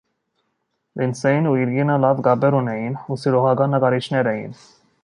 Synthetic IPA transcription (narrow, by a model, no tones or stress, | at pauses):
linsɛjinuiɾɡinəlɑvɡɑbɛɾunɛjinusiɾɔʁɑɡɑnːəkɑɾit͡ʃʰnɛɾɛjḭn